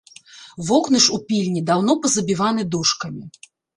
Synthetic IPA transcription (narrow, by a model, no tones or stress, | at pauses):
vɔknɨʂupʲilʲnʲid̪awnɔpɐzɐbʲivanɨd̪uʂkɐmʲi